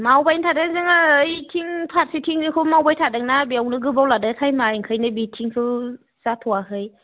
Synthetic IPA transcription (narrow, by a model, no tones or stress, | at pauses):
mawbajntʰadezɯŋɯːjtʰiŋpʰat̚sitʰiŋnɯkʰɯwmawbajtʰadɯŋnabiawnɯɡɯbawladɯkʰajmaiŋkʰɯjnɯbitʰiŋkʰɯ | zatʰɔwaɦɯj